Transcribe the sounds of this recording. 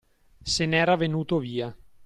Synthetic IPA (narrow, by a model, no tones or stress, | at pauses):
senɛːɾavenuːt̪oviːa